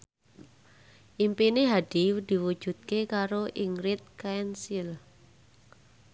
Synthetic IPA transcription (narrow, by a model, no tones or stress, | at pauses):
ʔimpineɦad̥i̤d̪̥i̤wud̥ʒ̥ṳt̪̚kekaɾoʔiŋɾɪt̪̚kaɛnsil